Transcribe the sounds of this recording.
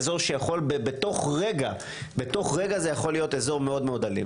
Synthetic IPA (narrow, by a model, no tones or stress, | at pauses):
zo̞ʁʃejaχo̞lbebeto̞χʁe̞ɡa | beto̞χʁeɡazejaχo̞lijo̞tezo̞ʁmeo̞dmeodalḭ